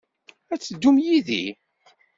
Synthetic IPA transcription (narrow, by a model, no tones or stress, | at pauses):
æt͡sːəd̪ːumjiðḭ